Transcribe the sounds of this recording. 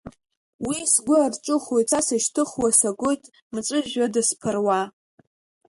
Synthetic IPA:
wisɡʷʊarʈ͡ʂʼɨχojtasaʃtʰɨχwasaɡʷojtʼ | mɨt͡sʼɨʒadɨspʰɨrwa

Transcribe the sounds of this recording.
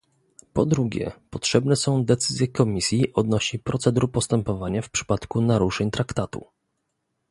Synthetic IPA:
pɔd̪ɾuɡʲjɛ̰pɔtʂɛbnɛsɔ̃w̃d̪ɛt̪sɘzʲjɛkɔmʲisʲjiʔɔd̪nɔɕipɾɔt̪sɛd̪uɾpɔst̪ɛmpɔvaɲafpʂɘ̥pat̪kunaɾuʂɛɲt̪ɾakt̪at̪ṵ

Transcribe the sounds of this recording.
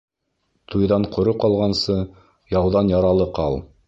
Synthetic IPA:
t̪ʰujðɑɴqʰŏɾɤqɑlˠʁɑnsɤ | jɑwðɑnjɑɾɑlˠɤqɑlˠ

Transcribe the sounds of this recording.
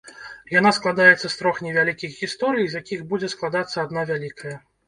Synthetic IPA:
janasklˠad̪ajɛt̪sːɐst̪ɾɔxnʲɛvʲalʲikʲixɣʲist̪ɔɾɨjzʲjakʲixbud͡zʲɛsklˠad̪at̪sːɐːd̪navʲalʲikʰɐjɐ

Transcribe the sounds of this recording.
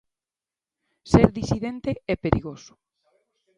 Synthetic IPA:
seɾðisiðent̪eɛpeɾiɣosʊ̥

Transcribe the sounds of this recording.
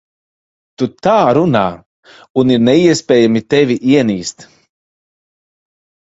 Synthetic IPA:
t̪ut̪aːɾunaː | uniɾnɛiɛspʲɛːjamit̪ɛvʲiʔiɛniːst̪

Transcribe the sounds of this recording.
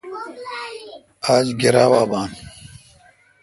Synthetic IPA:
aːzɡiɾaːwaːbaːn

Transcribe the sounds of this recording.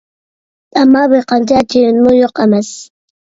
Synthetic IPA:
t̪ʼamaβɪqɑnt͡ʃat͡ʃɪnʊjoqamas

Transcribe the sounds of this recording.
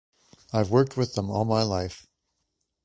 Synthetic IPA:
aɪvwɜ˞k̚t̚ʰwɨðə̃mɔ̰lˠmaɪlaɪf

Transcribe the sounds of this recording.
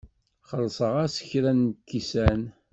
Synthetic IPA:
χəlːsˤəʁasə̥çɾænkːisæn

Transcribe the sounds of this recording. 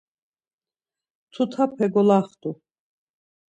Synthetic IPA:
t̪ʰut̪ʰapʰɛɡɔlaχt̪ʼu

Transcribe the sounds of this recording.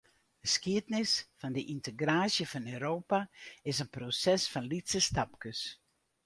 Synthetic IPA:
dəskiətnɪsfɔndəʔintəɡraːsjəfɔnøːɾoːpaɪsənprosɛsfɔnlitsəstapkəs

